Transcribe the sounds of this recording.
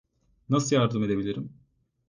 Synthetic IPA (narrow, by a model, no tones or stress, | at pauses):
nasɯjaɾd̪ɯmed̪e̞bilʲiɾim